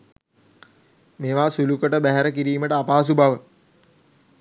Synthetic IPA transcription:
meːʋaːsulukəʈəbæɦæɾəkiɾiːməʈəapaːsubaʋə

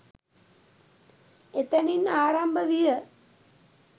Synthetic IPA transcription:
et̪əninaːɾambəʋijə

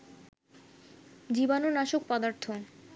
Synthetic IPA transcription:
d͡ʑibanonaʃok̚pɔd̪aɾt̪ʰo

